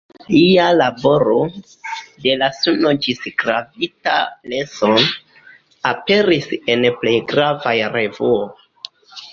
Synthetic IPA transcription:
lialabo̞ɾo̞ | de̞lasunod͡ʒisɡɾavita̰leson | ape̞ɾise̞nple̞jɡɾavajɾe̞vuo

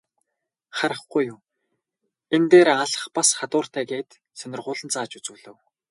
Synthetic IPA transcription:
χaɾə̆χɡujʊm | ent̪eːɾaɮə̆χpasχat̪ʊːr̥t̪æːɡeːt̪ | sœnʲɪ̆rχʊːɮə̆nt͡saːt͡ɕut͡sŭːɮɘ̆w

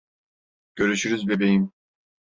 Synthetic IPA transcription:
ɟ̥ø̞ɾyʃyɾyzbebejim

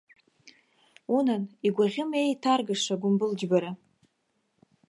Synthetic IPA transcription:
unaniɡʷaʁʲɪme̞jtʰarɡaʂaɡʷʊmbɨld͡ʒbaɾa

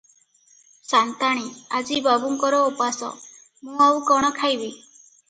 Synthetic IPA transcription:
sant̪aɽ̃iad͡ʒibabuŋkɔɾɔopasɔ̰ | mũawkɔɽ̃ɔkʰajbi

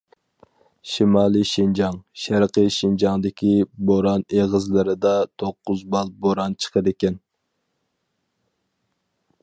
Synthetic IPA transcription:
ʃimɑːlˠiʃind͡ʒɑŋʃæɾqəʃind͡ʒɑŋd̪ɪkʲʰiboɾɑneʁəzlɪɾɪd̪ɑt̪ʰoqːʊzbɑlˠboɾɑnt͡ʃʰə̥qʰəd̪ɪkʲɛn

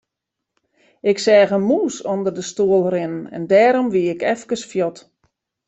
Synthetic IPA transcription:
ɪksɛːɣəmuːsondərdəstuəlˠrɪnənɛ̰ndɛːɾɔmʋiɪkɛfkəsfjɔt

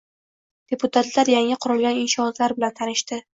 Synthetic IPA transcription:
d̪̥e̞pʰʊt̪ʰat̪laɾjaŋɪqʰʊɾɪlˠɡʲanɪnʃɒɒt̪laɾbɪlant̪ʰanɪʃt̪ɪ

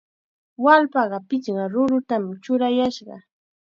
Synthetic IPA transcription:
walpɑɢɑpɪt͡ʃɢɑɾʊɾʊt̪amt͡ʃʊɾajaʃɢɑ̰

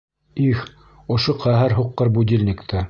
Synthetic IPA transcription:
ix | ŏʃoqæɦæɾɦuqːɤɾbud̪ʲilʲnʲikt̪ʰɘ

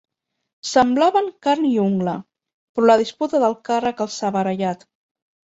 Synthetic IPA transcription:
səmblaβəŋkaɾniuŋɡlə | pɾɔləð̞isput̪əðəlˠkarəkəlˠsaβəɾəʎat̪

